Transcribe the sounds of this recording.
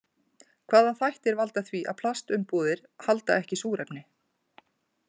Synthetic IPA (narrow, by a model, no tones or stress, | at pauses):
kʰv̥aːðaθajht̪ɛɾvalt̪aθviʔaðpʰl̥ast̪ʏmpuːðɪɾ̥halt̪a̰ɛhcɪsuːɾɛpnɪ